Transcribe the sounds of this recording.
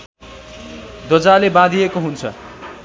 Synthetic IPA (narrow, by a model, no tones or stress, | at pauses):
d̪ʌd͡zalebãd̪ʱijekoɦunt͡sʰʌ̰